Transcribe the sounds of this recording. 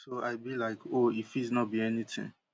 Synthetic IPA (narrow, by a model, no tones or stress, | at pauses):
soaɪbilaɪkʰoifiznɔt̚biɛnitʰɪ̰̃ŋ